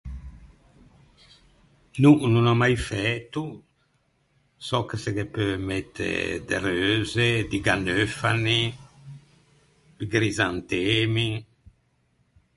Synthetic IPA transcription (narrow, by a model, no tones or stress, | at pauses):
nununamajfɛt̪u | sɔkeseɡepømɛt̪ʰːḛd̪ḛɾøːzed̪iɡanøfani | b̪iɡɾizant̪emi